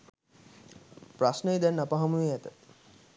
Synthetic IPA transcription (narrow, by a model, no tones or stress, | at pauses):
pɾasnejd̪ɛnnapaɦamueɛt̪ət̪